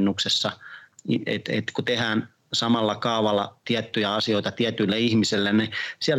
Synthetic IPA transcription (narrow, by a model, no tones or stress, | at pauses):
nːuksesːɑiḛt̪ḛt̪kut̪ehæːn | sɑmɑlːɑkɑuʋɑlːˑɑt̪iæt̪ːyjæɑsioit̪ɑt̪iæt̪ylːeihmiselːennisiæl